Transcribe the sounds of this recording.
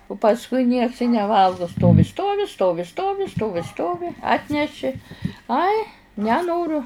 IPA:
ʊ pɐsˈkʊɪ nʲiɛks ɪ nʲɛˈʋɐlˠɡʊ ˈstoːʋʲɪ ˈstoːʋʲɪ ˈstoːʋʲɪ ˈstoːʋʲɪ ˈstoːʋʲɪ ˈstoːʋʲɪ ˈɑːtʲnʲɛʃʲɪ ˈɐɪ nʲɛˈnoːrʊ

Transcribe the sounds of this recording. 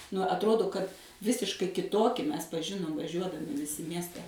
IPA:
nʊ ɐtˈroːdoː kɐt ˈʋʲɪsʲɪʃkɐɪ kʲɪˈtoːkʲɪ ˈmʲɛs pɐˈʒʲɪnoːm ʋɐˈʒʲuɔdɐmʲɪ ʋʲɪˈsʲɪ ˈmʲiɛsʲtʲɛ

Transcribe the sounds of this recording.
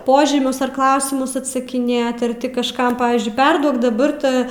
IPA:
ˈpoːʒʲiːmʲʊs ɐr ˈklˠɐʊsʲɪmʊs ɐtsɐkʲɪˈnʲeːt ɐr ˈtʲɪ kɐʃˈkɐm ˈpɑːʋʲiːzʲd͡ʒʲʊɪ ˈpʲɛrduɔk dɐˈbɐr ˈtɑː

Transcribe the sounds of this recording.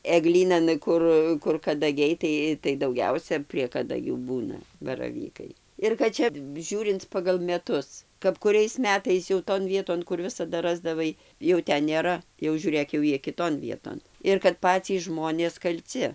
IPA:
ɛˈɡlʲiːnɐn ˈkʊr kʊr kɐdɐˈɡʲɛɪ ˈtɐɪ tɐɪ dɐʊˈɡʲɛʊsʲɛ pʲrʲiɛ kɐdɐˈɡʲuː ˈbuːnɐ bɐrɐˈʋʲiːkɐɪ ɪr kɐt ˈt͡ʃʲɛ ˈʒʲuːrʲɪnt͡s pɐɡɐlˠ mʲɛˈtʊs kɐp kʊˈrʲɛɪs ˈmʲæːtɐɪs jɛʊ toːn ˈʋʲiɛtoːn kʊr ˈʋʲɪsɐdɐ ˈrɑːzdɐʋɐɪ jɛʊ ˈtʲɛn nʲeːˈrɐ jɛʊ ʒʲuːˈrʲeːk jɛʊ ˈjiɛ kʲɪˈtoːn ˈʋʲiɛtoːn ɪr kɐt ˈpɑːt͡sʲiːs ˈʒmoːnʲeːs kɐlʲˈt͡sʲɪ

